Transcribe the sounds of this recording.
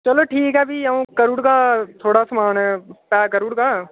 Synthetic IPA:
t͡ʃɐloːʈʰiːkɦɛbʱiɐũkɐɾuɽkat̪ʰoːɽasɐmaːnɦɛt̪aːkəɾuɽka

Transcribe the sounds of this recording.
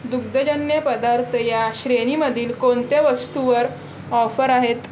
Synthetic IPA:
d̪uɡ̚d̪əd͡ʑənjəpəd̪aɾt̪ʰəjaɕɾeñiməd̪ʱiːlkont̪eʋəst̪uʋəɾ | ɔfəɾaɦet̪

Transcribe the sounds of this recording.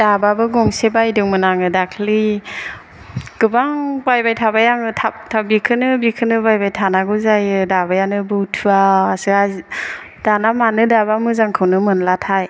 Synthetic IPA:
d̥ababɯɡɔŋsebajdɯŋmɯnaŋɯdakʰli | ɡ̥ɯbaŋbajbajtʰabajaŋɯtʰap̚tʰabikʰɯnɯbikʰɯnɯbajbajtʰanaɡɯzajɯdabajanɯbɯwtʰuaːsɯa | d̥anamanɯdabamɯzaŋkʰɯwnɯmɯnlatʰaj

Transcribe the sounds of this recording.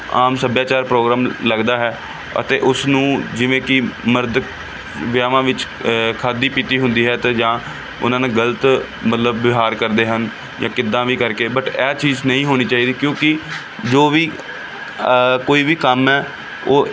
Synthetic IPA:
aːmsəbjaːt͡ʃaːɾpɾoːɡɾaːmləɡd̪aːɦɛː | ə̰t̪eːʔʊsnũːd͡ʒɪʋẽːkɪməɾd̪ | ʋjaːʋãːʋɪt͡ʃ | kʰaːd̪iːpiːt̪iːɦʊ̃nd̪iːɦɛːt̪eːd͡ʒãː | ʊ̰nãːnẽːɡələt̪ | mət̪ləbːɪɦaːɾkəɾd̪eːɦən | jãːkɪd̪ːãːʋiːkəɾkeːbəʈɛːt͡ʃiːznəɦĩːɦoːniːt͡ʃaːiːd̪iːkjõːkɪ | d͡ʒoːʋiː | koːiːʋiːkəmɛː | oː

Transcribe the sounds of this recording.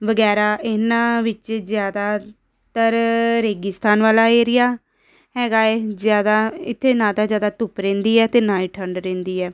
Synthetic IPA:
ʋəɡɛːɾaːʔɪnãːʋɪt͡ʃzɪjaːd̪aː | t̪əɾɾeːɡɪst̪aːnʋaːlaːeːɾɪjaː | ɦɛːɡaːɛːzjaːd̪aːɪt̪ʰːeːnãːt̪aːzjaːd̪aːt̪ʊpɾẽːnd̪iːɛːt̪eːnãːiːʈʰəɳɖɾẽːnd̪iːɛː

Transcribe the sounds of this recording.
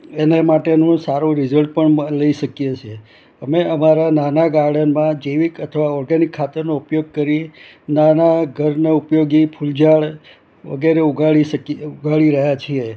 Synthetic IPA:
enemaʈenũsaɾũɾɪzəlʈ̚pəɳləiʃəkjet͡ʃʰe | əmeəmaɾananaɡaɾɖənmãd͡ʒeʋikət̪ʰəʋaɔɾɡanikʰːat̪əɾnoupjoɡ̚kəɾi | nanaɡʱəɾneupjoɡipʰuld͡ʒaɭ | ʋə̰ɡeɾeuɡʱaɭiʃəkiuɡʱaɭiɾəɦjat͡ʃʰie

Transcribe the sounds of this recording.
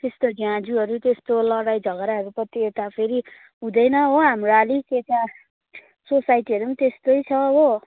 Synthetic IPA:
t̪est̪oɡãd͡zuɦʌɾut̪est̪olʌɽajd͡zʱʌɡɾaɦʌɾupʌt̪iet̪apʰeɾi | ɦũd̪ʌjnʌɦoɦamɾoalikeka | sosajʈiʌɾumt̪est̪ojt͡sʰʌɦo

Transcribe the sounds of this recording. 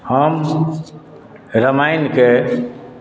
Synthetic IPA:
həm | ɾəmajnke

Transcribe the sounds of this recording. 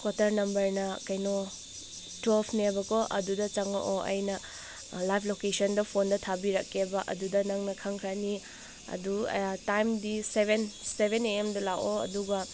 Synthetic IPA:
kwotɐɾnɐmbɐɾnɐkɐjno | twelpʰnebɐkoʔɐ̰dudɐt͡ʃɐŋɐ̰ʔoʔɐ̰jnɐ | lajpʰlokesɐndɐpʰondɐtʰabiɾɐ̰kʰːebɐʔɐ̰dudɐnɐŋnɐkʰɐŋkʰɾani | ɐ̰dutajmdisebensebeneemdɐlawoɐ̰duɡɐ

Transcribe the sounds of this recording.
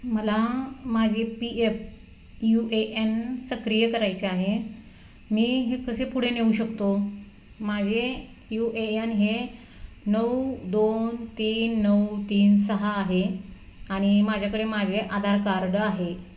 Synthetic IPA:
məlamad͡ʑʱepief | juʔeʔensəkɾijəkəɾajt͡ɕeaɦe | miːɦekəsepuɽ̤eneuɕəkt̪o | mad͡ʑʱe | juʔeenɦe | nəwd̪ont̪iːnːəwt̪iːnsəɦaːɦe | aɽ̃imad͡ʑʱjakəɽemad͡ʑʱeʔad̪ʱaɾkaɾɽəaɦe

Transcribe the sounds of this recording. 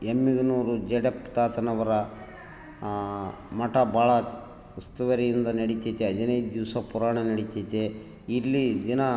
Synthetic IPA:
emːiɡɐnuːɾud͡ʒeɖept̪aːt̪ɐnɐʋɐɾɐ | mɐʈɐbʱaːɭɐ | ust̪uʋɐɾijind̪ɐnɐɽit̪ɐt̪eɦɐd̪inɐjd̪ud̪iʋsɐpuɾaːɳɐnɐɽit̪ːɐjt̪e | ilːid̪inɐ

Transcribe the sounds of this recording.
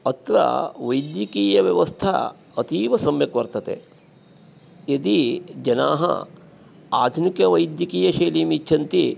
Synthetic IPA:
ɐt̪ɾa̰ʋɐjd̪jikiːjɐʋjɐʋɐst̪ʰa̰ | ɐt̪iːʋɐsɐmjɐkʋɐɾt̪ɐt̪ḛ | jɐd̪id͡ʒɐna̰ːɦɐ̰ | a̰ːd̪ʱunikjɐʋɐjd̪jɐkiːjɐʃeːliːmit͡ʃːt͡ʃʰɐnt̪i

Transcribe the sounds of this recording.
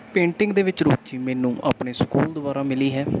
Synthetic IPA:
pẽːɳʈɪŋɡd̪eːʋɪt͡ʃɾoːt͡ʃiːmɛːnũːʔa̰ːpɳeːskuːld̪ʊʋaːɾaːmɪliːɦɛː

